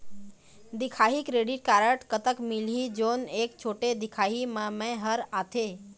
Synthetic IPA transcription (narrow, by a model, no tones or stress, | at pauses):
d̪ɪkʰaːɦikɾeːɖiʈ̚kaːɾəʈkət̪əkmɪlid͡ʒoːneːkt͡ʃʰoːʈed̪ɪkʰaːɦimãmɛ̃ɦəɾaːt̪ʰeː